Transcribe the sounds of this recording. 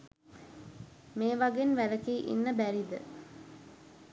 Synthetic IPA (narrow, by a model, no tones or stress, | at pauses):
meːʋaɡenʋæləkiːʔḭnːəbæɾid̪ə̰